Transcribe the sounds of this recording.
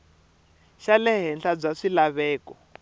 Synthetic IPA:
ʃalɛɦɛnɬab͡ʐaʂilaβɛːkɔ

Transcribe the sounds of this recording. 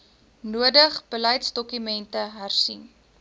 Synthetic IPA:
nuədəχb̥ələjtsdɔkymɛntəɦærsin

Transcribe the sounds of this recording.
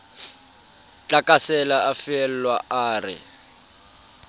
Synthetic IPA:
t͡ɬʼakasɛlaafɪɛl̩lwaʔaːrɪ̰

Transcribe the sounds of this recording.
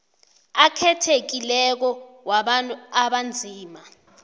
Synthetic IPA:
akʰɛtʰek̬ilɛk̬ɔwaɓantʼuaɓand͡zʱiːma

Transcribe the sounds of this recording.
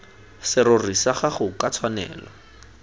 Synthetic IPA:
sɪrorisaχaχʊkat͡sʰwanɛ̰ːlɔ

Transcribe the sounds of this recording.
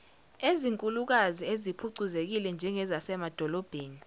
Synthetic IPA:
eziŋkʼuluk̬aziezipʰuǀuzek̬ilɛnd͡ʒʱɛŋɛzasɛmad̥ʱɔlɔb̥ʱeːni

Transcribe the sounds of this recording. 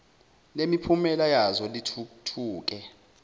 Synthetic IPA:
lemipʰumɛlajazɔlitʰutʰuːk̬ʼɛ

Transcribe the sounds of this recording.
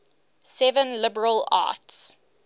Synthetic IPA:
sɛvə̃nlɪbəɹəla̰ːˑts

